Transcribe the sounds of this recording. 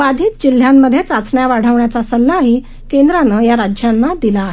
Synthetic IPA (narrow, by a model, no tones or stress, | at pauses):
ʋad̪ʱiːt̪̚d͡ʑil̤jamːəd̪ʱːjet͡sat͡sɳjaʋaɽ̤əʋɳjat͡sasəlːaːɦi | kend̪ɾanəjaɾad͡ʑjanːad̪ilaːɦe